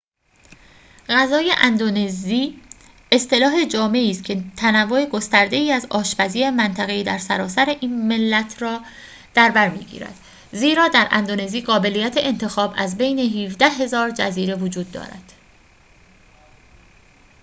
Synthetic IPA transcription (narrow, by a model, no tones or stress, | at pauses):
ɣæzɒːje̞ʔænd̪oneziː | est̪e̞lɒːɦe̞d͡ʒɒːme̞iːst̪̚cʰe̞t̪ʰænævːoeɡo̞st̪æɾd̪e̞iːæzɒːʃpæziːemænt̪ʰæɣeiːd̪æɾsæɾɒːsæɾe̞ʔiːnme̞lːæt̪ʰrɒː | d̪̥æɾbæɾmḭːɟḭːɾæ̰d̪̥ | ziːɾɒːd̪æɾʔæ̰nd̪one̞ziːɢɒːbe̞lijæt̪ʰeʔent̪ʰe̞xɒːbæzbe̞jne̞ɦiːvd̪æɦe̞zɒːɾd͡ʒæziːɾe̞vod͡ʒuːd̪̚ːɒ̰ːɾæ̰d̪̥